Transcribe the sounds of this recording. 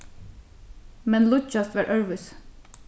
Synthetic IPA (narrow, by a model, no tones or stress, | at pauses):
mɛnlʊd͡ʒɑst̪ʋɑːɹʔœɹʋʉs